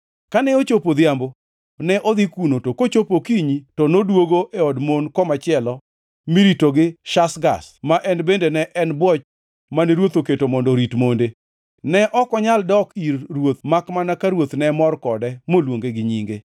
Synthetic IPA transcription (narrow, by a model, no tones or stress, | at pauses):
kanɛot͡ʃopod̪ɪambo | nɛʔɔd̪ikunotokot͡ʃopokiɲitɔnodwoɡoʔeɔdmonkɔmat͡ʃɪɛlɔ | miɾitoɡɪʃasɡa̰smaʔɛnbendenɛʔɛnbwɔt͡ʃ | maneɾwot̪oketomɔndɔɾitmonde | nɛʔɔkɔɲaldɔkirːwot̪makmanakaɾwot̪nɛmɔrkɔdɛmolwoŋɡeɡɪɲiŋɡe